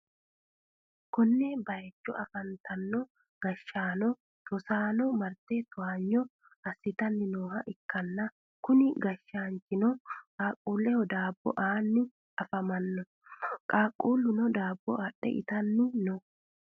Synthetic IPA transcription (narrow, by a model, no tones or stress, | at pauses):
kɔnːebɐjɛt͡ʃːɔ̰ʔɐfɐnt̪ɐnːɔ | ɡ̥ɐʃːaːnɔ | t̪ɔsaːnɔmɐɾt̪et̪ʊaːɲːɔ | ɐsːɪt̪ɐnːɪnoːhɐʔɪkːɐnːɐ | kʊnɪɡɐʃːaːnt͡ʃɪnɔkʼaːkʼːuːlːɛhɔd̪aːbːɔ̰ʔaːnːɪ | ɐfɐmɐnːɔ | kʼaːkʼːuːlːʊnɔd̪aːbːɔaːɗɛ̰ʔɪ̰t̪ɐnːɪnɔ